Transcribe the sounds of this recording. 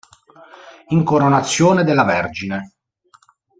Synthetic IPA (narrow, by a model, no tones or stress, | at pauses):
iŋkoɾonat̪sːjoːned̪elːavɛrd͡ʒine